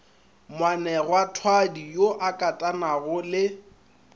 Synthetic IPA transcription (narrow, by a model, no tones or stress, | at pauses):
mwanɛɣwatʰwadijoʔakʼatʼanaɣʊlɪ